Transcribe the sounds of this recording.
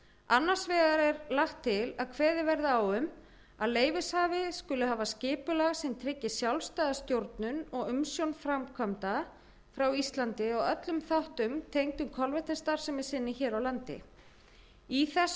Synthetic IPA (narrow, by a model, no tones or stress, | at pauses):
anːaɾ̥svɛːɣaɾɛɾlaxt̪ʰːɪlaðkʰvɛːðɪvɛɾðaaːwʏm | aðleːjvɪshaːvɪskʏlʏhaːvascɪːpʏlaɣsɛmt̪ʰɾɪcːɪsjawlst̪aːðast̪jowɾt̪nʏnɔɣʏmsjownfɾamkʰvœmt̪a | fɾawist̪lant̪ɪɔɣœt̪lʏmθawht̪ʏmt̪ʰejŋk̪ʏmkʰɔlvɛht̪ɪnst̪aɾ̥sɛmɪ̥sɪnːɪçɛːɾawlant̪ɪ̰ | iθɛs